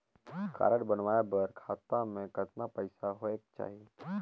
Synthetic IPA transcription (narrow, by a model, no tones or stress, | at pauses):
ka̰ːɾəɽbənʋaːebəɾkʰaːt̪amẽkət̪napəɪsaɦoekt͡ʃa̰ːɦi